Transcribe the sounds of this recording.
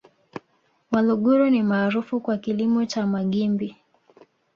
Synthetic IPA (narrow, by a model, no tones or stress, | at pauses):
waluɠɔɾɔnimaːɾufukwakilimɔt͡ʃamaɠimbi